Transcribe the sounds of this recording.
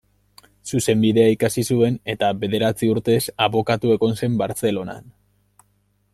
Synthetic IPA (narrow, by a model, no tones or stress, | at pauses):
suse̞mbiðe̞aikasisue̞ne̞t̪aβe̞ðe̞ɾat͡siuɾt̪e̞saβo̞kat̪ue̞ɣo̞nse̞mbaɾt͡se̞lo̞na̰n